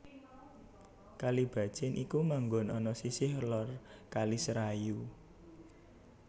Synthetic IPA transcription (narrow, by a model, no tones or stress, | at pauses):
kalib̥a̤d̥ʒ̥ɪnʔikumaŋɡonɔnɔsisɪhlɔrkalisɾaju